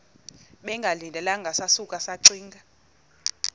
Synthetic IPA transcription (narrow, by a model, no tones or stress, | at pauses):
ɓɛŋɡʱalindʱɛlaŋɡʱasasukʼasaǀiːŋɡʱa